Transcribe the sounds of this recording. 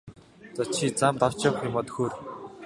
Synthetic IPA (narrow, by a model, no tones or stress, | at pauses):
t͡sat͡ɕʃʰiːt͡samt̪aw̥t͡ɕɔːwχʊmɔt̪̆xoːr